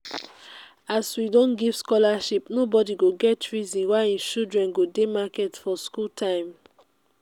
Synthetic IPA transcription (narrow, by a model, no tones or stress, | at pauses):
aswidɔ̃nɡiv̥skɔlaʃipnobɔdiɡoɡɛtʰɹizĩnwaĩʃudɹɛ̃nɡodemakɛtfɔskultʰãɪ̃m